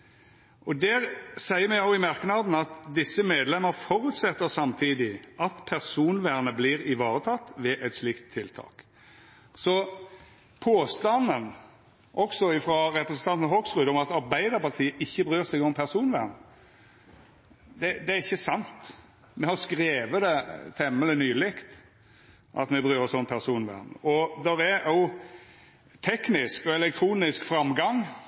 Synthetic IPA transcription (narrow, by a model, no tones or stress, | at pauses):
ʔɔd̪æɾsæɪəɾmɛɑʊɪmɑɾknɑd̪n̩ɑt̪d̪ɪsːəmeːd̪lɛmːəɾfɔɾʉt̪sɛt̪ːəɾsɑmt̪ʰiːd̪ɪʔɑt̪pʰæʁsuːnʋæːʁnəbliːɾɪʋɑːɾət̪ʰɑt̪ːʋɛʔɛt̪slɪkt̪ʰːɪlt̪ʰɑ̰ːk | sɔ | pʰoːst̪ɑnən | ʔɔksɔɪfɾɑɾɛpɾəsənt̪ʰɑnt̪n̩ɦɔksʁʉːd̪ɔmɑt̪ɑɾbæɪd̪əɾpɑʁt̪ʰiːəʔɪçːəbɾyːɾsɛɪɡɔmpʰæɾsuːnʋæ̰nə | d̪ɛd̪ɛæɾɪçːəsɑnt̪ | mɛhɑɾskɾeːʋəd̪ɛt̪ʰɛmːələnyːlɪkt̪ | ʔɑ̰t̪mɛbɾyːʁəsɔmpʰæɾsuːnʋæ̰ʁnə̰ʔɔd̪ɛɾæɾo | t̪ʰɛknɪskɔɛlɛk̚t̪ʰɾuːnɪskfɾɑmɡɑŋ